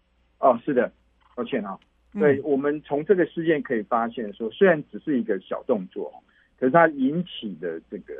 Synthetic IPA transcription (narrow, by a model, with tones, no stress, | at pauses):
ɔ˥˧˩ʂɻ̩˥˩d̪ə˩ | ɔ˥˧˩t͡ɕʰjɛ˥˩nɑ˨˩˦ | swe˥˩ɪwɔ˨˩mə˨˦nt͡sʰʊ˧˥ŋʈ͡ʂɤ˥˩ɡə˩ʂɻ̩˥˧t͡ɕjɛ˥˩nkʰɤ˧˥i˨˩fa˥ɕjɛ˥˩nʂwɔ˥swe˥ɻa˧˦nʈ͡ʂɻ̩˨˩ʂɻ̩˥˩i˧˥ɡə˧ɕjɑ̰˨˩ʊt̪ʊ˥˧ŋt͡swɔ̰˥˨xɔ̰˨˩ | kʰə˨˩ʂɻ̩˥˩t̪ʰa˦˥i˧˦nt͡ɕʰi˨˩d̪ə˦ʈ͡ʂɤ˥˩ɡə˩